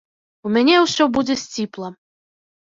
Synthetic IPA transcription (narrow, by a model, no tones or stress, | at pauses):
umʲanʲɛwsʲɔbud͡zʲɛsʲt͡sʲiplˠɐ